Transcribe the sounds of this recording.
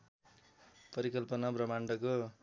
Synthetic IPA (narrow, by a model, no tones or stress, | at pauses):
pʌɾikʌlpʌnabrʌmaɳɖʌko